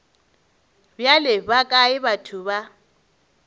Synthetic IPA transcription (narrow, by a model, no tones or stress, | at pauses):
bjalɪbakʼaɪbatʰuba